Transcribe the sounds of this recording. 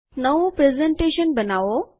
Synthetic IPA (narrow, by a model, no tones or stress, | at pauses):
nɐʋopɾeːzẽɳʈeːʃənbɐnaːʋo